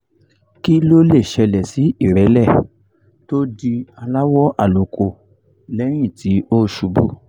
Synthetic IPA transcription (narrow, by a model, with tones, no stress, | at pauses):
ki˦lo˦le˦˨ʃɛ˧lɛ˨si˨˦i˦˨ɾɛ˨˦lɛ˦˨ | to˦di˧a˧la˦wɔ˦ʔa˦˨lo˨ko˨ | lɛ˦ɾ̃ĩ˦˨ti˨˦o˦˨ʃu˧bṵ˦